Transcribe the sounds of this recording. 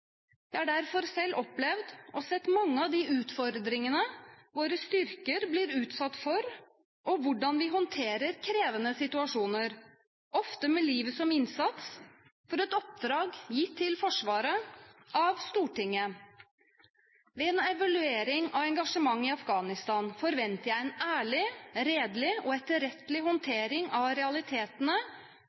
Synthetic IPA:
jææɖæɾfɔɾsɛlːʔɔplɛʋd̪ʔɔsɛt̪ːmɑŋːəɑʋd̪ɪʔʉːt̪fɔɾd̪ɾɪŋənəʋoːɾəst̪ʏɾkəɾblɪɾʉːt̪sɑt̪ːfɔɾ | ʔɔʋʊɖɑnʋɪɦɔnt̪ʰeːɾəɾkʰɾeːʋənəsɪt̪ʉɑʂuːnəɾ | ʔɔft̪əmɛliːʋəsɔmɪnsɑt̪s | fɔɾɛt̪ɔp̚d̪ɾɑːɡjiːt̪ʰːɪlfɔʂʋɑːɾəʔɑʋst̪uːʈɪŋːə | ʋɛɛnɛʋɑlʉeːɾɪŋɑʋɛŋɡɑʂəmɑŋːɪɑfɡɑːnɪst̪ɑːnfɔɾʋɛnt̪əjæɪɛnæːɭɪɾeːd̪lɪɔɛt̪əɾɛt̪lɪɦɔnt̪ʰeːɾɪŋɑʋɾɛɑlɪt̪ʰeːt̪ənə

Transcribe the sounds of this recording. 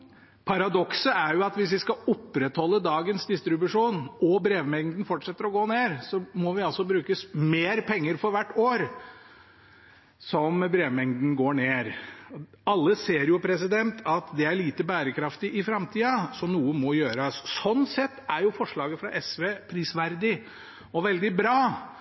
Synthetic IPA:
pʰɑɾɑd̪ɔksəæɾjʊɑt̪ʋɪs̬ʋɪskɑɔpːɾɛt̪hɔlːəd̪ɑːɡənsd̪ɪst̪ɾɪbʉʂuːnɔbɾeːʋmɛŋd̪n̩fɔʈʂɛt̪ːəɾɔɡoːneːɾsɔmɔʋɪɑlsɔbɾʉːkəsmeːɾpʰɛŋːəɾfɔɾʋæʈːoːɾ | sɔmbɾeːʋmɛŋd̪n̩ɡoːɳeːɾ | ɑlːəseːɾjʊpʰɾɛs̬ɪd̪ɛnt̪ʰɑt̪d̪ɛæɭiːt̪əbæːɾəkʰɾɑft̪ɪʔɪfɾɑmt̪ʰiːɑsɔnuːəmɔjøːɾɑssɔnːsɛt̪ːæɾjʊfɔʂɭɑːɡəfɾɑ̰ʔɛsʋeːpʰɾiːsʋæɾd̪ɪ | ɔʋɛld̪ɪbɾɑː

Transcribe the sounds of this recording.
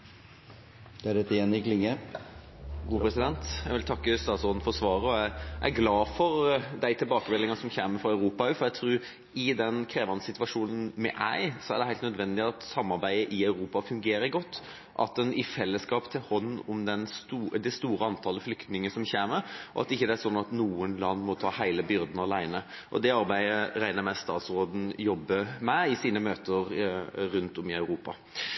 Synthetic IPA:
d̪̥ɛæɖɛt̪ːəjɛnːɪɡlɪŋːə | uːpɾɛsɪd̪ɛnt̪jæɡʋɪlt̪ʰɑkːəst̪ɑːt̪sɔɾnd̪n̩fɔɾsʋɑːɾəɔæɪʔæ̰ɪɡlɑːfɔɾd̪æɪt̪ʰɪlbɑːkəmɛlːɪŋɑsɔmçeːməfɑɑʉɾuːpɑʉfɔɾæt̪ʰɾʉːɾ | ɪd̪ɛnkʰɾeːʋɑnəsɪt̪ʋɑʂuːnənmɛ̰ʔæ̰ɪsɔæ̰ɾɖ̪ɛhæɪt̪nœd̪ʋɛnd̪ɪɑt̪sɑmːɑɾbæɪəʔɪɑʉɾuːpɑfʉŋɡeːɾəɡɔt̪ː | ʔɑ̰t̪ɛnɪfɛlːəskɑːpt̪ʰɪlhɔnːʊmd̪ɛnst̪uːd̪ɛst̪uːɾəɑnt̪ʰɑːləflʏkt̪nɪŋəsɔmçeːməʔɔ̰ɑ̰t̪ɪçːəd̪ɛæɾʂɔnːɑt̪nuːənlɑnːmɔt̪ʰɑːhæɪləbʏɾd̪nɑlæɪnə | ʔɔ̰d̪ɛɑɾbæɪəɾæɪnəɾmæst̪ɑ̰ːt̪sɾoːd̪n̩jɔbːəmæɪsiːnəmøːt̪əɾɾʉnt̪ɔmɪɑʉɾuːpɑ̰

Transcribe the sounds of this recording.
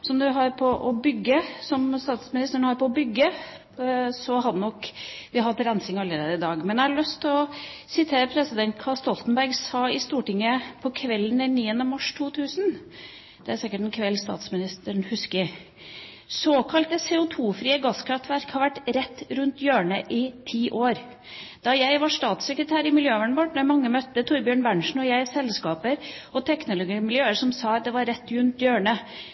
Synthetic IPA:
sɔmd̪ʉɦɑɾpʰɔʔɔbʏɡːəsɔmst̪ɑːt̪smɪnɪst̪əɳəhɑɾpɔɔbʏɡːə | sɔɦɑd̪nɔkːʋɪɑhɑt̪ːɾɛnsɪŋɑlːəɾeːd̪əɪd̪ɑːɡmɛnd̪ɛhɑɭœst̪ʰːɪlɔsɪt̪ʰeːɾəpʰɾɛsɪd̪ɛnt̪kʰɑst̪ɔlt̪n̩bæɾɡsɑːɪst̪uːʈɪŋːəpʰɔkʰʋɛlːən̩ɛniːənəmɑʂt̪ʰuːt̪ʰʉːsn | d̪̥ɛæɾsɪkːəʈɛnkʰʋɛlːst̪ɑ̰ːt̪smɪnɪst̪əɳhʉskəɾ | soːkʰɑlt̪əsɛːʊt̪ʰuːfɾiːəɡɑskʰɾɑft̪ʋæɾkhɑɾʋæʈːɾɛt̪ːɾʉnt̪jøːɳəʔɪt̪ʰiːʔoːɾ | d̪̥ɑjæɪʋɑʂt̪ɑːt̪sɛkɾət̪ʰæːɾɪmɪljøːʋæɳʋɔʈnɔæmɑŋːəmœt̪ːət̪ʰʊɾbjøːɳbæɳʂɳ̩ɔjæɪsɛlskɑːpəɾ | ɔt̪ʰɛknʊlʊɡɪmɪljøːəɾʂɔmsɑɑt̪̚d̪ɛʋɑɾɾɛt̪ːɾʉnt̪jøːɳə

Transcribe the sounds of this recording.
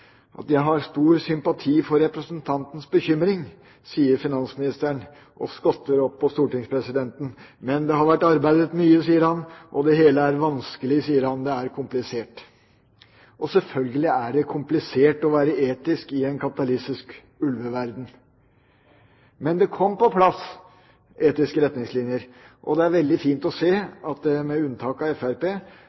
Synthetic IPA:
ʔɑ̰t̪jæɪɦɑɾst̪uːɾsʏmpɑt̪ʰiːfɔɾːɛpɾəsənt̪ʰɑnt̪n̩sbəçʏmɾɪŋ | siːəɾfɪnɑnsmɪnɪst̪æɳ | ʔɔ̰skɔt̪ːəɾɔpʰːɔst̪uːʈɪŋspʰɾɛsɪd̪ɛnt̪n̩mɛnd̪ɛhɑɾʋæʈːɑɾbæɪd̪ət̪myːəsiːəɾhɑnʔɔd̪ɛɦeːləæɾʋɑnskəlɪsiːəɾhɑnd̪ɛæɾkʰʊmplɪseːʈ | ʔɔsɛlfœlɡəlɪæɖɛkʰʊmplɪseːʈɔʋæːɾəeːt̪ɪskɪɛnkʰɑpɪ̥t̪ɑlɪsɪsk | ʉlʋəʋæɾd̪n̩ | mɛnd̪ɛkʰɔmːpɔpʰlɑs | ʔeːt̪ɪskəɾɛt̪nɪŋslɪnjəɾ | ʔɔ̰d̪ɛæɾʋɛld̪ɪfiːnt̪ɔseːɑt̪̚d̪ɛmɛʉnːt̪ʰɑːkɑɛfæɾpeː

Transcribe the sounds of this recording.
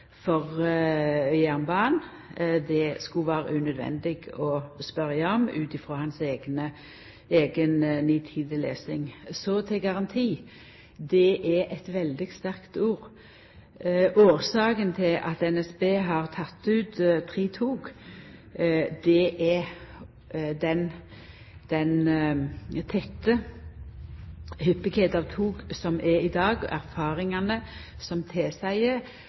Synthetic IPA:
fɔʁ | œæʁnbɑːn | d̪ɛskʉʋæːɾə̰ʉnœd̪ʋɛ̰nd̪ɪɡɔspœʁjəɔmʉ̰ːt̪ɪfʁɔːhɑnseːɡnə | eːɡənniːt̪ʰiːd̪əlḛːsɪŋsɔt̪ʰɪlɡɑʁɑnt̪ʰiː | d̪ɛʔɛʔɛt̪ʋɛld̪ɪɡst̪æʁkt̪uːʁ | oːʁsɑːkənt̪ʰɪlʔɑt̪ɛnɛsbeːɦɑʁt̪ʰɑt̪ːʉːt̪t̪ʰʁiːt̪ʰuːɡ | d̪ɛʔɛ | d̪ɛn | d̪̥ɛn | t̪ʰɛt̪ːə | hʏpːɪkeːt̪ɑʋt̪ʰuːɡsɔmʔɛɾɪd̪ɑːɡ̰ʔæʁfɑːʁɪŋɑnə | sɔmt̪ʰeːsæɪə

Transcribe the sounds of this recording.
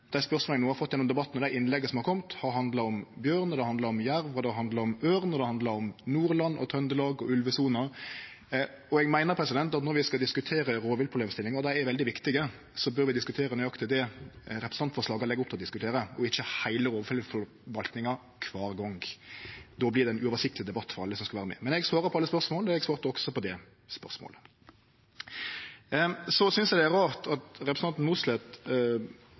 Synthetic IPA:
d̪̥æɪspœɾʁsmolənuːhɑfɔt̪ːjɛnːɔmd̪ɛbɑt̪ːnɔd̪æɪɪnːlɛɡəsɔmhɑɾkʰɔmt̪hɑɾhɑnd̪lɑɔmbjøːɾnɔd̪ɛhɑnd̪lɑɔmjæɾʋɔd̪ɛhɑhɑnd̪lɑɔmøːʁnɔd̪ɛhɑnd̪lɑɔmnuːɾlɑnːʔɔ̰t̪ʰœnd̪əlɑːɡɔʉlʋəsuːnɑ | ɔɛɡmæɪnəɾpʰɾɛsɪd̪ɛnt̪ɑt̪nɔɾʋɪskɑd̪ɪskʉt̪ʰeːɾəɾoːʋɪlpʰɾʊbleːmst̪ɪlːɪŋɑd̪æɪɛɾʋɛld̪ɪʋɪkt̪ɪɡə | sɔbœɾʋɪd̪ɪskʉt̪ʰeːɾənʉːjɑkt̪ʰɪld̪ɛɾɛpʰɾəsɑnt̪fɔʁʂlɑːɡəɾlɛɡʊpt̪ʰɪlɔd̪ɪskʉt̪ʰeːɾəɔɪçːəhæɪləɾoːʋəfœlfɔɾ | ʋɑlt̪nɪŋɑ | kʰʋɑːɾɡɔŋɡ | d̪ɔblɪʁd̪ɛnʉːɔʋəsɪk̚t̪lɪd̪ɛbɑt̪ːfɔɾɑlːəsɔmskɑʋæːɾəmɛ̰ːmɛnɛɡsʋɑːɾəpɔɑlːəspœʁsmoːlɔɛɡsʋɑːɾt̪əɔɡsɔpɔd̪ɛ | spœʁsmo̰ːlə | sɔsʏnsjɛd̪ɛæɾɑːʁt̪ʰɑt̪ɾɛpɾəsnɑnt̪n̩muslɛt̪

